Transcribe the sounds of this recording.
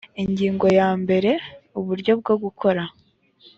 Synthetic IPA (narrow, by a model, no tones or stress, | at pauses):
iɲɟiːŋɡo̞jaːmbe̞ɾe̞uβuɾɟo̞b̚ɡo̞ɡukʰo̞ɾa